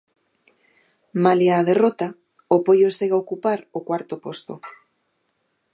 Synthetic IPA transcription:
maliaðerot̪a | opojoseɣaokupaɾokwaɾt̪opost̪o

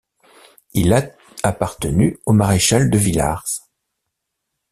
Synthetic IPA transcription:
ila | apaʁt̪ənyomaʁeʃald̪əvila̰ʁs

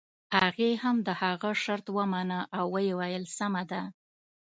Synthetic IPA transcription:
haɣehamd̪əhaɣəʃaɾt̪wəmanəʔawːəjewajəlsamad̪a

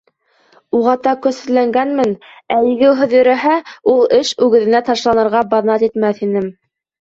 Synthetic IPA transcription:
uʁɑt̪ɑkɵ̆sɘ̆læŋɡænmɘn | æjɘ̆ɡɘwɦɵ̆ðjɵ̆ɾæɦæulˠɘʃʉɡɘ̆ðɘ̆næt̪ɑʃlˠɑnɤ̆ɾʁɑbɑðnɑt̪it̪mæθinɘm

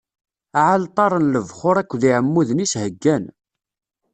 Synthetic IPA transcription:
ʕalt̪ˤɑɾˤənləvχʊɾˤækʷːðiʕəmːuðənishəɡːæn

